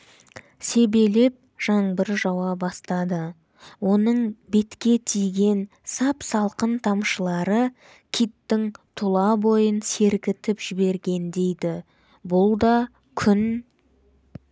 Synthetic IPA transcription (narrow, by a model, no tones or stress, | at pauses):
se̞be̞lep̚ʒ̥ɑɴbəɾʒɑwɑbɑst̪ɑd̪ə | wo̞nəɴbe̞t̪kʲe̞t̪ʰijɡʲe̞n | sɑpsɑlˠqənt̪ʰɑmʃəlˠɑɾə | kʲʰit̪ːɪŋt̪ʰʊlˠɑbo̞jənse̞ɾkʲɪt̪ɪpʒ̥ɪbe̞ɾɡʲe̞nd̪e̞jd̪ɪ | bʊlˠd̪ɑ | kʲʰʏn